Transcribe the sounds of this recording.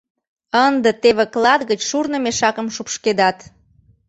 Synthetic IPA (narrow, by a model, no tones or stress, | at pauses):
ənd̪ət̪eβeklɑd̪ɣət͡ɕʃurnə̆meʃɑkə̆mʃupʃked̪ɑt̪